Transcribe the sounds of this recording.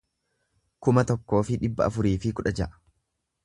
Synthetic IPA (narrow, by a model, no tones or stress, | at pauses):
kʊmɐt̪ɔkːo̞ːfɪᶑɪbːɐ̰ɐfʊɾiːfɪkʊᶑɐd͡ʒɐʔɐ̥